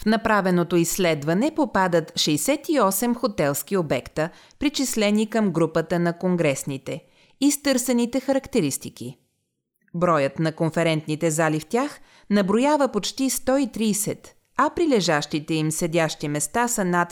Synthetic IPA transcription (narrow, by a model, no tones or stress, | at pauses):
fnɐpɾavɛnot̪oisːlɛd̪vɐnɛpopad̪ət̪ʃɛjsɛt̪iɔsɛmxot̪ɛlˠskiobɛkt̪ə | pɾit͡ʃislɛnikəmɡɾupət̪ənɐkoŋɡɾɛsnit̪ɛ | ist̪ɤɾsɛnit̪ɛxɐɾɐkt̪ɛɾist̪ik̟i | bɾɔjət̪nɐkonfɛɾɛnt̪nit̪ɛzalift̪ʲax | nɐbɾojavəpot͡ʃt̪ist̪ɔit̪ɾiːsɛt̪ | ɐpɾilɛʒaʃt̪it̪ɛimsɛdʲaʃt̪imɛst̪asənat̪